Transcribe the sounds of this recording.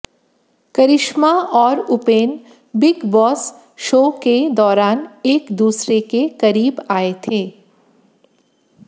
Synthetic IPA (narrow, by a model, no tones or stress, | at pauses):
kɐɾɪʃmaɔːɾʊpeːn | bɪɡbɔːs | ʃoːked̪ɔːɾaːneːkd̪uːsɾekekɐɾiːbaːet̪ʰeː